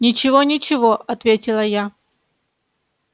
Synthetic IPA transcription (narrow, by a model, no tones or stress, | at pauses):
nʲɪt͡ɕɪvonʲɪt͡ɕɪvoʔɐt̪vʲetʲɪlˠəja